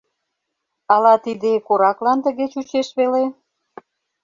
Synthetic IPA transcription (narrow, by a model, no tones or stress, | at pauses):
ɑlɑt̪id̪ekoɾɑklɑnt̪ə̆ɣet͡ɕut͡ɕeʃβele